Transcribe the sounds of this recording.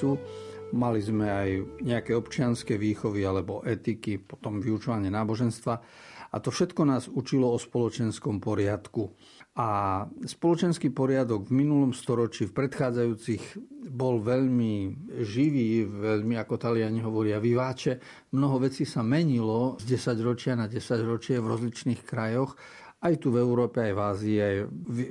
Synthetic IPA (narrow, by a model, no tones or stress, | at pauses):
umalizmɛajɲɛakɛːɔpt͡ʃɪanskɛːʋiːxɔʋialɛbɔʔɛt̪ikipɔ̥t̪ɔmʋiut͡ʃɔʋaɲɪɛnaːbɔʒɛnst̪ʋa | a̰t̪ɔfʃɛt̪kɔnaːzut͡ʃilɔɔspɔlɔt͡ʃɛnskɔmpɔɾɪat̪ku | aspɔlɔt͡ʃɛnskiːpɔɾɪad̪ɔɡvminulɔmst̪ɔɾɔt͡ʃifpɾɛt̪xaːd͡zajuːt͡siɣbɔlʋɛʎmiʒiʋiːʋɛʎmiakɔt̪alɪaɲiɦɔʋɔɾɪaʋiʋaːt͡ʃɛ | mnɔɦɔʋɛt͡siːsamɛɲilɔzɟɛsaɟɾɔt͡ʃɪanaɟɛsaɟɾɔt͡ʃɪɛvɾɔzlit͡ʃniːxkɾajɔx | ʔajt̪uvɛuɾɔːpɛajvaːziːaj